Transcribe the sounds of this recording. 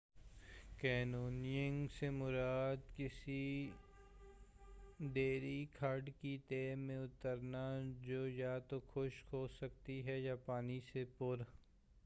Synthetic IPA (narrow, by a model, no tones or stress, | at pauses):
kɛːnoːnijə̃ŋɡsemʊɾaːd̪kɪsi | d̪eːɾikʰaɾɖkit̪eːmẽʊt̪əɾnad͡ʒoːjat̪oxʰʊʃhoːsɐk̚t̪iɦɛjapaːnisepʊɾ